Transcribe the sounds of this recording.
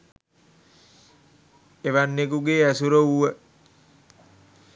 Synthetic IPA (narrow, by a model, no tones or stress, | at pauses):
eʋanːekuɡeæsuɾəuʋə